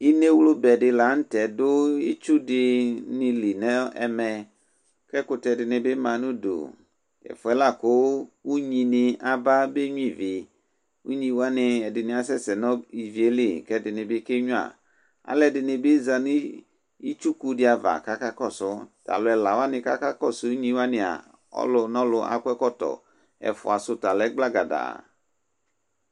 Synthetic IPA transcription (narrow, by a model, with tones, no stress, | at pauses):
i˦ne˦wlʊ˦bɛ˨dɪ˧la˨˦n̩˦tɛ˨dʊ˦i˦t͡ʃu˦dɪ˧nɪ˧li˨nɛ˦ɛ˨mɛ˨ | kɛ˦kʊ˧tɛ˨dɪ˨nɪ˨bɪ˦mã˨nʊ̃˦do̰˨ | ɛ̰˨fʊ˨ɛ˦la˦˨kʊ˨˦u˦ɲi˧nɪ˧a˨ba˦be˦ɲʊ̃˦i˦˨vɪ˨ | ṵ˦ɲĩ˧˦wa˦nɪ˧ɛ˨dɪ˨nɪ̃˨a˨sɛ˦sɛ˨nɔ˦i˨vi˨e˦le˦˨kɛ˦dɪ˨nɪ˨bɪ˦ke˦ɲũ˦a̰˨ | a̰˨˦lɛ˨dɪ˨nɪ˨bɪ˦za˨nʊ̃˦ | i˦t͡ʃu˦ku˦dɪ˦a˨va̰˨ka˦ka˦kɔ˦˨sʊ˦ta̰˨lʊ˨ɛ˨la˨wa˦nɪ̃˧ka˦ka˦kɔ˦˨sʊ˨˦u˦ɲĩ˦wa˦nɪ˨a̰˨ | ɔ̰˦lʊ˨nɔ̃˦lʊ˦ʔa̰˨kʷɛ˦kɔ˦tɔ̰˨ | ɛ̰˨fʊ̰˨a˨sʊ˦ta˨lɛ˦ɡ͡bla˦ɡa˨da̰˨